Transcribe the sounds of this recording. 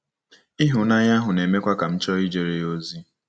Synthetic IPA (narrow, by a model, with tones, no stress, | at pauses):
i˦ɦʊ˨na˦ɲa˦ɦʊ˨ne˨me˦kʷa˦ka˨m̩˦t͡ʃɔ˦i˦d͡ʒe˨ɾe˨o˦zi˦